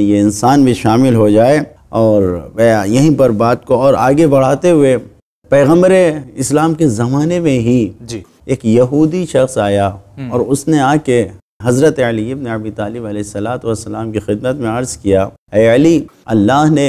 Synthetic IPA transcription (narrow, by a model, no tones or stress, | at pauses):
jeɪnsaːnbʱiʃaːmɪlɦod͡ʒaːe | ɔːɾʋɛːjɐɦĩpɐɾbaːt̪koɔːɾa̰ːɡebɐɽ̤aːt̪eɦʊe | pɛːɣə̃mbəɾeɪslaːmkezɐmaːnemẽɦid͡ʒi | eːkjɐɦuːd̪iʃɐxsaːjaɔːɾʊsneaːke | ɦɐzɾət̪eɐliɪbneɐbit̪aːlɪbɐlɛːɪsːɐlaːt̪oʋɐsːɐlaːmkixɪd̪̚mət̪mẽɐɾzkija | ɛːɐliɐlːaːɦne